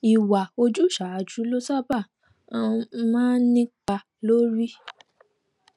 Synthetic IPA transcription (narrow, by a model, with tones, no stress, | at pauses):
i˨wa˨o˧d͡ʒu˦˨ʃa˨d͡ʒu˨˦lo˦sa˦bã˦˨˧ | mãː˦nĩ˦k͡pa˧ | lo˦ɾi˦